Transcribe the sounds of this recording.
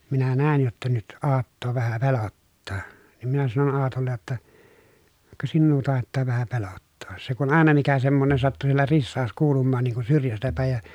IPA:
minæ næˑin jotːɑ nyt ɑːtːoː ʋæhæ pelotːɑː niːm minæ sɑnon ɑːtolːej jotːɑ kɑ sinːuː tɑˑetːɑː ʋæhæ pelotːoːs se kun ɑˑenɑ mikæ semːonen sɑtːu sielːæ risːɑːs kuːlumːɑːn niːŋ kun syrjæstæ pæˑej jɑ

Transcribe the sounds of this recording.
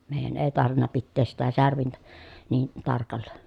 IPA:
meˑijˑæn eˑi tɑrʋinːɑ pitːeːs sitæ særʋintæ niː tɑrkɑlːɑ

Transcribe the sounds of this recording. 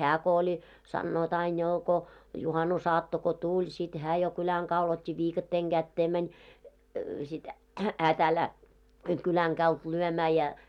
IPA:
hæː ko olʲ sɑnːoːt ɑin joː ko juhɑnusɑːtːo ko tulʲ sit hæː jo kylæŋ kɑul otʲːi ʋiːkɑtːeːŋ ɡ̊ætːeː mænʲ sit hæː tæˑlːæː kylæŋ ɡ̊ɑult lyømæː jɑ

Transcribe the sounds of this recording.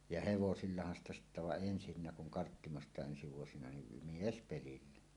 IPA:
jɑ heʋosilːɑhɑn stɑ sitːæ ʋɑʔ ʔensinːæ kuŋ kɑrtːimostɑˑeʔ ʔensi ʋuosinɑ nim miespelilːæ

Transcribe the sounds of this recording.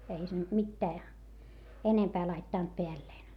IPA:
ei se nyt mitːæː enempæː lɑitːɑˑnt peælːeːn

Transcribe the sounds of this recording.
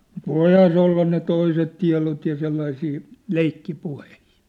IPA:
mut ʋoihɑː se olːɑ ne toiset tiɑ̝lot jɑ selːɑisiː leikːipuhehi̥ː

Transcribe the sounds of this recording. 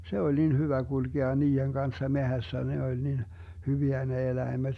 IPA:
se olʲ nin hyʋæ ɡ̊ulɡ̊eɑ niːeŋ ɡ̊ɑnsːɑ mehæsːæ ne olʲ nin hyʋiæ ne elæimed̥

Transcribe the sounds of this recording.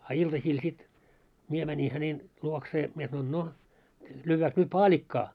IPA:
ɑ iltɑsiːl sit mie mænʲi hænen luokseː mie sɑnoin no lyːʋːæːks nyt pɑːlʲikːɑː

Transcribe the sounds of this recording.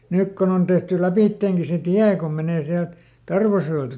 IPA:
nyk kon on tehty læpiˑtːeːŋki se tiæ kom meneˑ siælt tɑrʋɑsjoeltɑ

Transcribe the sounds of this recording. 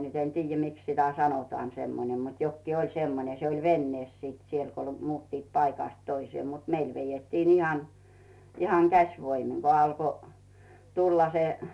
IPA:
nyt en tiːjːæ miks sitæ sɑnotŏɑːn semːonem mut jokːiː olʲ semːone se olʲ ʋenːeːs siːt siel ko muːtːiːt pɑikɑˑst toisĭeː mut meil ʋejetːiːn ihɑn ihɑŋ kæsʋoimiŋ ko ɑlko tulːɑ se

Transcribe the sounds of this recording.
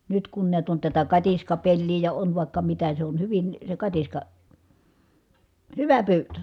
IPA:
nyt kun niæt on tætæ kɑtiskɑpelːiː jɑ on ʋɑˑikːɑ mitæ se on hyʋin se kɑtiskɑ hyʋæ pyːtø

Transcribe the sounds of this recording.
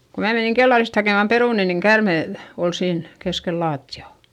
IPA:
ko mæː meniŋ kelːɑrist hɑkeˑmɑm peruˑni niŋ kærmeˑ l ol siːn keskel lɑːtːiɑˑ

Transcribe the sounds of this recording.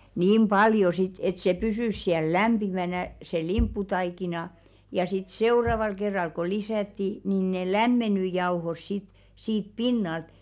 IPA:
niːm b̥ɑljo sit et se pysyˑs siæl læmb̥imænæ se limpːutɑikinɑ jɑ sit seurɑʋɑl kerːɑl ko lisætːi niˑn ne læmːenˑy jɑuhos sit siːp pinːɑlt

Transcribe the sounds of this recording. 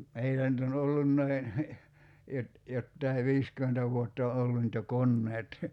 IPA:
meilːæ ny̆t on olːunːɑi jot jotːɑi ʋiːskymentæ ʋuotː o olːu ny̆t jo konːeːt

